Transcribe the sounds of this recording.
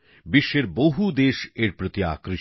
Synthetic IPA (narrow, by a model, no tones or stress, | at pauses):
biʃːeɾboɦud̪eʃeɾpɾot̪ia̰kɾi